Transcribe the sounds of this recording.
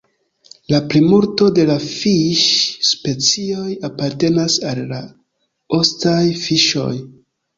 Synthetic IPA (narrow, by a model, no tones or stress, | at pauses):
laplimuɾto̞de̞lafiʃspe̞t͡sio̞japaɾte̞nasalːa | o̞stajfiʃo̞̰j